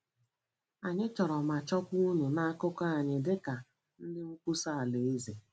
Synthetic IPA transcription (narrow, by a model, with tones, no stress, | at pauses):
a˨ɲɪ˦t͡ʃɔ˨ɾɔ˨ma˨t͡ʃɔ˦kʷu˦ɲu˨na˦a˦kʊ˦ka˦a˨ɲɪ˨dɪ˦ka˨ | n̩˦dɪ˦ŋ͡m̩˦kʷu˦sa˦a˨le˨e˦ze˨